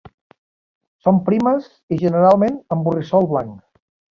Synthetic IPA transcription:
sompɾiməz | iʒənəɾalˠmenəmburisɔlˠβlaŋk

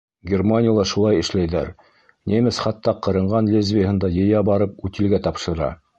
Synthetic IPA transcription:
ɡʲermanʲɪjəlˠɑʃulˠɑjɘ̆ʃlæjðæ̰ɾ | nʲemɘsχɑt̪ːɑqɤ̆ɾɤ̆ɴɢɑnlʲezvʲɪjəhɤ̆nd̪ɑjɤ̆jɑbɑɾɤp̚ʉt̪ilɡæt̪ɑpʃɤ̆ɾɑ̰

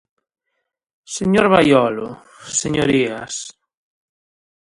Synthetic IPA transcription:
seɲoɾβajɔlo̰ | seɲoɾias

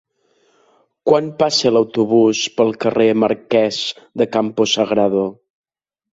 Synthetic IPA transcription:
kwanpasələwt̪uβuspəlˠkəreməɾkɛz | d̪əkampusəɣɾaðo

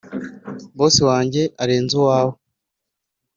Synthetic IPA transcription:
boːsiwaːɲɟe̞ʔaɾeːnzuwaːho

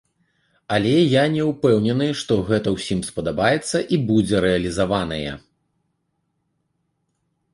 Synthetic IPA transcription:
alʲɛjanʲɛwpɛwnʲɛnɨʂt̪ɔɣɛt̪ɐwsʲimspɐd̪abajɛt̪sːɐʔibud͡zʲɛɾɛɐlʲizavan̪ɐjɛ̰

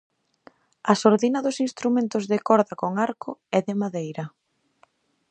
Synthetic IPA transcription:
ɐsoɾðinaðʊsinst̪ɾumẽnt̪ʊzðɪkɔɾðɐkoŋaɾkʊɛðɪmaðejɾɐ

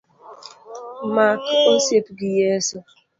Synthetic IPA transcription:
makosepɡijesɔ

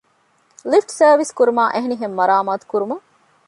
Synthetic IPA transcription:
lifʈsɐːʋiskuɾumaːʔeɦeniɦemːɐɾaːmaːt̪u̥kuɾumɐŋ

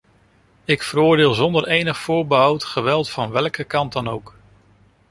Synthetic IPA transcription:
ɪkfəɾʊːɹdɪːlˠzɔndəɹejnəχfʊːɹbəɦɑwtχəʋɛlˠtfɑnʋɛlˠkəkɑnd̚dɑnowk

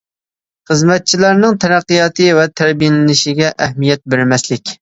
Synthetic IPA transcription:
χəzmɛt̪̚t͡ʃʰilæɾnɨŋt̪ʰæɾæqːijɑːt̪ʰɨvɛt̪ʰæɾbijelɪnɪʃɪɡʲɛʔæhmijɛt̪̚beɾɪmɛslɪkʲ

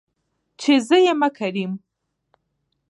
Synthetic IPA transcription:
t͡ʃezəjemakʰaɾim

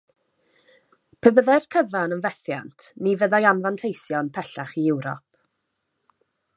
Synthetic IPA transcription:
pʰəbəðɛrkʰəvanənvɛθja̰ntʰnivəðajanvantʰejsjɔnpʰɛɬaχiɪwɾɔ̰p̚

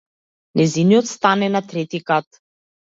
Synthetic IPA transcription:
nɛzinijɔt̪st̪anɛnat̪ɾɛt̪ikat̪̚

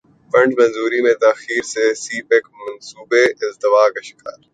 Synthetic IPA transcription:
fɐ̃ɳɖmɐ̃nzuːɾimẽt̪aːxiːɾsesiːpekmɐnsuːbeʔɪzd̪t̪ɪʋaːkɐʃɪ̥ka̰ːɾ

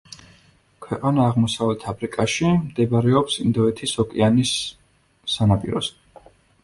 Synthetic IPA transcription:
kʰwɛqʼanaːʁmɔsavɛlt̪ʰabɾikʼaʃimd̪ɛbɾɛɔpsind̪ɔɛt̪ʰisɔkʼianisː | anapʼḭɾɔ̰s

